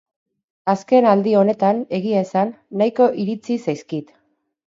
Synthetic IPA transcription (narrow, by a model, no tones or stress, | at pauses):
aske̞nald̪io̞ne̞t̪ane̞ɣiaesanːajko̞ʔiɾit͡sisajskit̪